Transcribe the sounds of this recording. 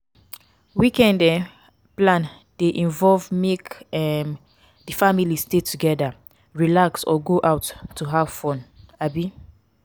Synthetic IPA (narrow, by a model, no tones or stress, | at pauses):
wikɛ̃ndɛ | plãn | deʔĩnvɔlvmekɛm | difamilistetʰuɡɛda | ɹilaksɔ̰ɡoʔawtːuɦav̥fɔ̃nabi